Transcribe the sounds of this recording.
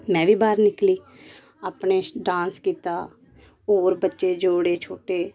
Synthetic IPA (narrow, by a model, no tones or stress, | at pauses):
mɛ̃ːʋiːbaːɾnɪkliː | aːpɳeːɖãːnskiːt̪aː | oːɾbətːʃeːd͡ʒoːɽeːt͡ʃʰoːʈeː